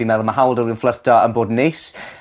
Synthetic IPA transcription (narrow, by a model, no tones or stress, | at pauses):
imɛðˠmaɦawlˠdəlˠiənflˠərtʰɔənboːdnejs